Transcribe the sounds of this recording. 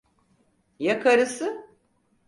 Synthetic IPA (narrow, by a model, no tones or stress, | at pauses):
jakʰaɾɯsɯ